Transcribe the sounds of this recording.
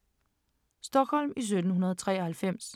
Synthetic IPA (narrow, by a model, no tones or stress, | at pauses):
sd̥ɒ̽ɡ̥hɒ̽l̰mis̬ød̥n̩hunɐðˠɒt͡sʰʁɛ̰ːɐhælfem̰s